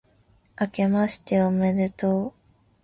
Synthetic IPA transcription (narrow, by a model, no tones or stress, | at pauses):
ake̞maɕi̥t̪e̞omed̪et̪o